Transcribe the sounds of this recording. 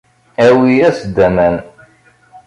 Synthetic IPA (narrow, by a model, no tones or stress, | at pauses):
æwiæsd̪æmæn